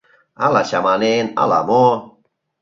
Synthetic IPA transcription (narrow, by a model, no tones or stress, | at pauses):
alaɕamanena̰la̰mo